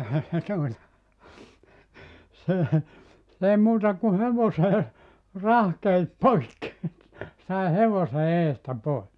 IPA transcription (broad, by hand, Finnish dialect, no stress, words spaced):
ehæ se tuotɑ se s eˑi muːtɑ ku heʋoseː rɑhkeit poikːi sɑi heʋose eːstæ pois